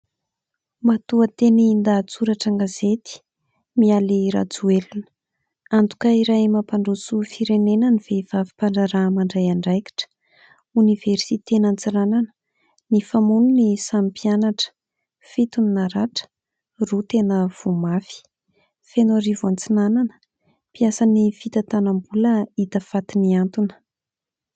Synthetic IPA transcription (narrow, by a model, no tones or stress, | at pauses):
mat̪uət̪eniːnd̪at͡suɾaʈ͡ʂaŋɡazet̪i̥ | mialiɾa̰d͡zuelunə̥ | ant̪u̥kaiɾajmapaɳɖ͡ʐusufiɾenenəniv̥eiv̥avi̥paɳɖ͡ʐaɾamaɳɖ͡ʐajaɳɖ͡ʐajki̥ʈ͡ʂə̥ | univ̥eɾsit̪enant͡siɾananə̥ | nifamununisampianaʈ͡ʂə̥ | fit̪uninaɾaʈ͡ʂə̥ | rut̪enəv̥umafi̥ | fenoɾivant͡sinananə̥ | piasanifit̪ət̪anambuləit̪əfat̪iniant̪unə̥